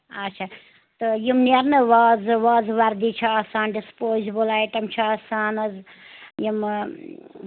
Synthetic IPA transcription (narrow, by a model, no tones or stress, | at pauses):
ɐtt͡ʃʰa | t̪ɨjimniɐɾnɨʋaːzʋaːzʋɐɾd̪it͡ʃʰiaːsaːnɖispoːzibɨlaːjʈɐmt͡ʃʰaːsaːnɐz | jim